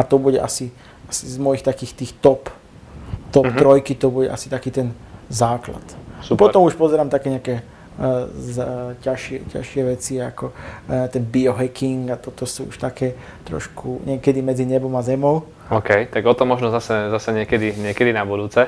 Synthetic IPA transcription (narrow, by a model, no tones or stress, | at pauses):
at̪ɔbuɟɛ̰ʔa̰si | asizmɔjixt̪akiːxt̪iːxt̪ɔp | t̪ɔpt̪ɾɔjkit̪ɔbuɟɛ̰ʔa̰si̥t̪akiːt̪ɛnzaːkla̰t̪supɔt̪ɔmuʃpɔzɛɾaːmt̪akɛːɲɛakɛː | zcaʃɪɛca̰ʃɪɛʋɛt͡siakɔt̪ɛnbiɔɦɛkiŋɡat̪ɔt̪ɔsṵːṵʃt̪akɛː | t̪ɾɔ̰ʃkʰuɲɪɛkɛd̪imɛd͡ziɲɛbɔmazɛmɔʊ | ɔːkɛjt̪aɡɔt̪ɔmɔʒnɔzasɛzasɛɲɪɛkɛd̪iɲɪɛkɛd̪inabud̪uːt͡sɛ